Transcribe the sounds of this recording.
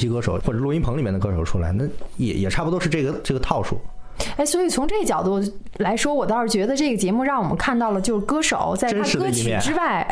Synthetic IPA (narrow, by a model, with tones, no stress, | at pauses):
i˥kɤ˥ʂo˨˦ʊxwɔ˥˩˨lu˥˧i˥npʰŋi˨˩mjɛ˥˩nə˩k̬ɤ˥ʂo˨˩ʊʈ͡ʂʰu˥la˧˥ɪna˥˩jɛ̰˧˩˥jʔɛ̰˨˩ʈ͡ʂʰa˥˩pu˧t̪o˥ʂɻ̩˥˧ʈ͡ʂɤ˥˩ɡə˩ʈ͡ʂɤ˥˩ɡə˩t̪ʰɑ˥˧ʊʂṵ˥˩˦ | e˥˩ɪswɔ˧˥i˨˩t͡sʰʊ˧˥ŋʈ͡ʂɤ˥˩ɡə˩t͡ɕjɑ˨˩ʊt̪u˥˩ | la˧˥ɪʂwɔ˥wɔ˨˩t̪ɑ˥˧ʊʂɻ̩˥˩t͡ɕɥɛ˧˥d̪ə˧ʈ͡ʂɤ˥˩ɡə˩t͡ɕjɛ˧˥mu˥˧ɻɑ˥˩ŋwɔ˨˩mə̰˦nkʰa˥˧nt̪ɑ˥˩ʊlə˩t͡ɕjo˥˧ʊʂ̩˥˩kɤ˥ʂo˨˩˦ʊt͡sa˥˧ə˥n˥˧kɤ˥t͡ɕi˧˩˨mjɛ̰˩˥˧ʈ͡ʂɻ̩˥wa˥˩ɪ